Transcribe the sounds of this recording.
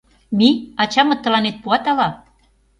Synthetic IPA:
miɑt͡ɕɑmɤ̆t̪ːɤ̆lɑnet̪̚puɑt̪ɑlɑ

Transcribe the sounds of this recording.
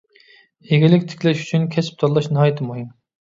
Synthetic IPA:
eɡʲilɪkʲt̪ʰɪ̥kʲlɛʃy̥t͡ʃʰynkʲʰɛsɪ̥p̚t̪ʰɑɾlˠɑʃnɨɦɑːjɪt̪ʰɨmuɦim

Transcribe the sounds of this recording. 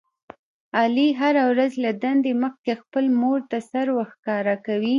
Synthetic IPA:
ɑliɦaɾawɾazlad̪and̪eməxkexpəlmoɾt̪asaɾwəxkɑɾakawi

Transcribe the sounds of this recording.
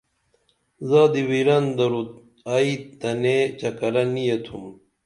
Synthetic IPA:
zaːd̪iwiɾɐnd̪ɐɾut̪̚ | aid̪ɐnet͡ɕɐkɐɾɐnijet̪ʰum

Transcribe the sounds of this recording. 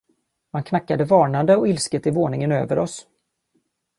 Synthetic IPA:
mankʰnakːad̪əvɑːɳand̪əɔɪlskət̪ɪvoːɳɪŋənø̰ːvəɾɔs

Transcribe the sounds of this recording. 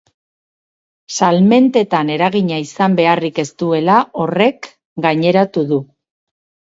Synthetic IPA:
salme̞nt̪e̞t̪ane̞ɾaɣiɲaisambe̞arike̞st̪ue̞lao̞re̞k | ɡaɲe̞ɾat̪uðu

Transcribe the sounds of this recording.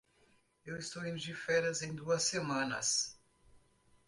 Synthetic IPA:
ewɪst̪owẽnd͡ʒifɛɾɐzẽj̃d̪uɐsːemɐ̃nɐ̰s

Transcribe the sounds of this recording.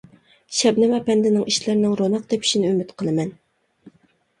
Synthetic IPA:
ʃɛbnɪmɛpɛnd̪ɪnɪŋiʃlɪɾnɪŋɾonɑq̚d̪epʰi̥ʃinɪymɪt̪qʰəlˠɨmɛn

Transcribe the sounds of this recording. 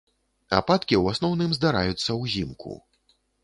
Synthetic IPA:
a̰pat̪kʲiwasnɔwnɨmzd̪aɾa̰jut̪sːɐwzʲimkʰṵ

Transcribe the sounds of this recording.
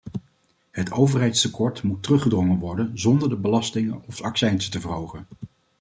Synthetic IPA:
hətowvərɦɛjtstəkɔɹtmutːərɵχədrɔŋənʋɔɹdənzɔndəɹdəbəlɑstɪŋənɔfɑksɛjnsə̥təvərɦowχən

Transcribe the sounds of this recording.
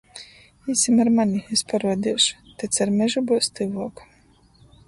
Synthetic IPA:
isʲimaɾmanʲiespaɾuɔd̪ʲiɛʃu̥t̪ɛt̪saɾmʲɛʒubuɔst̪ɨvuːku̥

